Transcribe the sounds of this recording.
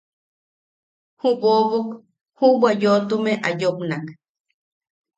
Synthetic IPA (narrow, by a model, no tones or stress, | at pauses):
huboβok | hubwajot̪umeʔajopnak